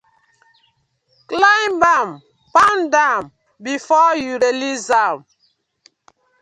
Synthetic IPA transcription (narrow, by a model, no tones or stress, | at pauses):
klãmbãm | pãndãm | bifɔjuɾelizam